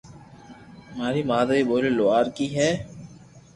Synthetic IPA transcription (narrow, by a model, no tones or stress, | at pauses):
maːɾiːmaːd̪ɾiːɓoːleːloaːɾkiːɦɛː